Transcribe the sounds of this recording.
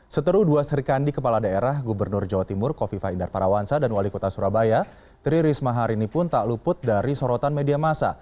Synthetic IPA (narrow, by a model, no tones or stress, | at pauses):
sət̪əɾuhduasəɾikandikəpaladaeɾahɡubərnʊrd͡ʒawat̪imʊrkofifaindarpaɾawansadanwalikot̪asuɾabaja | t̪ɾiɾismaɦaɾinipʊnt̪aʔlupʊt̪̚daɾisɔɾɔt̪anmediamasa̰